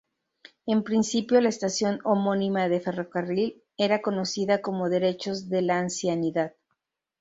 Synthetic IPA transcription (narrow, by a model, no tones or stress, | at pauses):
e̞mpɾinsipjo̞laest̪asjo̞no̞mo̞nĩmaðe̞fe̞ro̞karil | e̞ɾako̞no̞siðako̞mo̞ðe̞ɾe̞t͡ʃo̞zðe̞laːnsjaniðað